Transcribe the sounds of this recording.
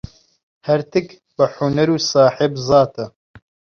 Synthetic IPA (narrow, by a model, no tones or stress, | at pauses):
hɐɾt̪ʰɨk | bɨħʊnɐɾuːsɑːħɪbzɑːt̪ʰɐ